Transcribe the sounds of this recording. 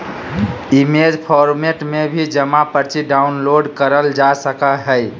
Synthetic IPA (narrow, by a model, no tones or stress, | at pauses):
imed͡ʒpʰɔɾmeʈmebʱid͡ʒəmapəɾt͡ʃiɖaunloɖkəɾəld͡ʒasəkəɦəj